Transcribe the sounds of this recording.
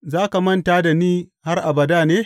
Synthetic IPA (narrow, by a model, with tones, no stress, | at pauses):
zaː˦ka˨mɐ˦ntaː˦da˨niː˦ha˦rʔa˨bɐ˨daː˦˨neː˦